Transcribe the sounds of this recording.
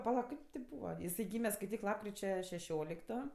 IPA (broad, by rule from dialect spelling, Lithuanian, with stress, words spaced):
pɐˈlˠɐ ˈkʲɪp tʲɪ ˈbuːʋɐ pɐˈlˠɐ jɪˈsɐɪ ˈɡʲiːmʲɛ skɐɪˈtʲiːk ˈlˠɑːpkrʲɪt͡ʃʲɛ ʃʲɛˈʃʲoːlʲɪktoː